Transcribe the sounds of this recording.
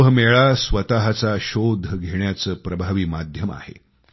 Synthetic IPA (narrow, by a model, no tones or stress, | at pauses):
ɦmeɭasʋət̪aɦat͡saɕod̪ʱːəɡʱeɳjat͡səːpɾəbʱaʋiːmad̪ʱjəma̰hḛ